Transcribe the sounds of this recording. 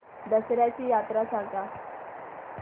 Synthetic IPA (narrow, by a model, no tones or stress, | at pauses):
d̪əsɾjat͡ɕiːjat̪ɾasãŋt̪a